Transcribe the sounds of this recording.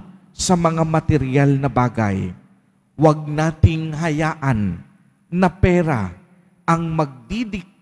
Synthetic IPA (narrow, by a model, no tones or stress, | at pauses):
sɐmɐŋamɐt̪ɛɾɪjalnɐbaːɡɐ̰j | wɐɡ̚naːt̪ɪŋɦɐjaːʔɐnː | ɐpɛːɾa̰ | ʔɐŋmɐɡ̚d̪id̪ɪ